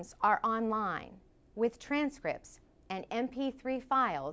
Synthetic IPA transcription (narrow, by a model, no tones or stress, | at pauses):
mzə˞ʔɑ̃nlãɪ̃n | wɪð̥tʰɹ̥æ̃nskɹɪ̰p̚ts | ɨ̃nɛ̃mpʰiθɹifaɪlˠ